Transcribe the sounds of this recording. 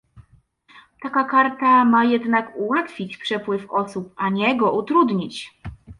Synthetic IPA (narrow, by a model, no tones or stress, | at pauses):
t̪akakaɾt̪amajɛd̪nakuwat̪fʲit͡ɕpʂɛpwɘfɔsupaɲɛɡɔʔut̪ɾud̪ɲit͡ɕ